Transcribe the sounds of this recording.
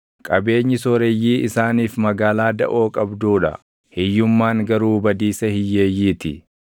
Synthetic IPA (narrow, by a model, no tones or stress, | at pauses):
kʼɐbe̞ːɲːɪsoɾɛjːiːɪsaːniːfmɐɡaːlaːd̪ɐ̰ʔo̞ːkʼɐbd̪uːᶑɐ̰ | hɪjːʊmːaːŋɡɐɾuːbɐd̪iːsɐhɪjːeːjːiːt̪ɪ